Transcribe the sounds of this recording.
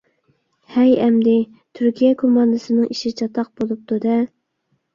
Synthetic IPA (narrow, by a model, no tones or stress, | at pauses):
hɛjɛmd̪ɪ | t̪ʰyɾkʲʰijɛkʰomɑnd̪ɨsɨnɨŋiʃit͡ʃʰɑt̪ʰɑq̚bolˠup̚t̪ʰud̪ɛ